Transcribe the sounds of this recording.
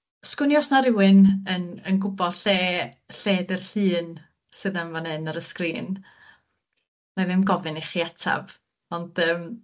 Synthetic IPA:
skʊnjɔsnaɾɪwɨnənənɡʊbɔɬeː | ɬeːdɪrɬɨːn | sɨðənvanɛnəɾəskriːn | najðɪmɡɔvɨniχiatʰa̰v | ɔnd̥əːm

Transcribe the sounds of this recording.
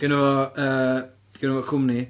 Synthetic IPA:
ɡ̥ɛnəvɔəː | ɡ̥ɛnəvɔkʰʊmni

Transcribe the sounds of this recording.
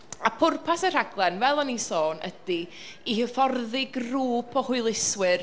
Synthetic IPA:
apʰʊrpʰasər̥aɡlˠɛnvɛlˠɔnisoːnə̰d̥i | ihəfɔrðɪɡruːpʰɔhʊɨlˠɪswɪr

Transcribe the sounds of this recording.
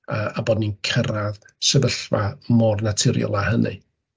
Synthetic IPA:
əabɔːdninkʰəɾað | sɛvəɬvamɔrnatʰɪɾjɔ̰lˠahənɨ̰

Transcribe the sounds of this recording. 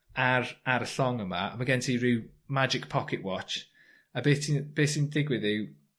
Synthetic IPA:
aɾaɾəɬɔŋəma̰ə̰məɡɛntʰiɹiːmad͡ʒɪk̚pʰɔkʰɪʔwɔt͡ʃ | əbeːsinb̥eːsindɪɡwɪðɪw

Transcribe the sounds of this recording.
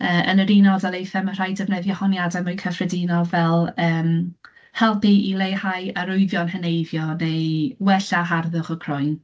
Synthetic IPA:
əːʔənəɾinɔdalejθɛmər̥ajdɛvnɛðjɔhɔnjadɛmojkʰəfrɛdinɔvɛlˠəːm | hɛlˠpiilˠejhajaɾʊɨðjɔnɦənejvjɔnejwɛɬaɦarðʊχɔkʰrɔjn

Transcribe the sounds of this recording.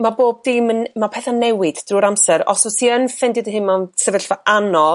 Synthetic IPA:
maboːb̚dɪmənmapʰɛθanɛwɪd̥d̥ruːɾamsɛɾɔ̰svɔsiənfɛndɪdəɦɨnmansəvɛɬvaʔanɔ

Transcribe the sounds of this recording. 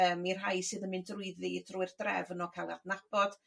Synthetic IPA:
əːmir̥ɦajsɨðənmɨndrʊɨðvidruɨrdrɛ̰vnɔkʰalˠa̰dnab̥ɔd̥

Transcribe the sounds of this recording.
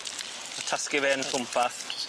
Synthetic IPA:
atʰaskɪvɛːnfʰʊmpʰaθ

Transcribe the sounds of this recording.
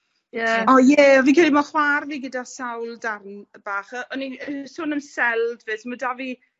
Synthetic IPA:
jɛɔjɛɔvikʰɪlˠimaχwarviːɡədasawlˠdarnəb̥aːχəʔɔniəsʊnəmsɛlˠdvɨsmədavi

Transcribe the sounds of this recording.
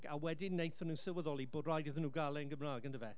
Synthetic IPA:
a̰wɛdɪnejθənuːsɪlˠwəðɔlˠiboːdrajdɪðənuːɡalˠɛənɡəmraːɡəndəvɛ

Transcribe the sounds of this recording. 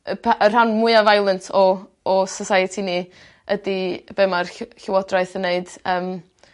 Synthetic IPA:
əpʰaʔər̥hanmʊɨavajlˠəntʰɔː | sɔsajɛtʰini | ədibɛmarɬɪwɔdraɨθənːeɨd̥əːm

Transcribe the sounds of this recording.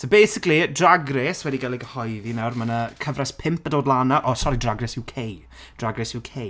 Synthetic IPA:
sobejsɪklidraɡrɛswɛdiɡalˠiɡəhɔjðinawrmənəkʰəvraspʰɪmpədoːdlˠanaʔɔsɔɾidraɡrɛsɪwkʰej | d̥raɡrɛsɪwkʰej

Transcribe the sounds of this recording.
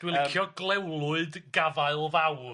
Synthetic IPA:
d̥wɪlˠɪkʰjɔɡlˠɛwlˠʊɨdɡavaɨlˠvaw

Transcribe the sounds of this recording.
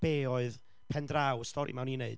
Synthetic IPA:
b̥eːɔɨð | pʰɛndrawstʰɔɾḭmawninḛɨd

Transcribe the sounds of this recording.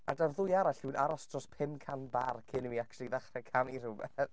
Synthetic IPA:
a̰darðʊjaɾaɬunʔaɾasd̥rɔspʰɪmkʰanbarkʰɪnmiakt͡ʃʰlˠiðaχrɛkʰanirʊbɛθ

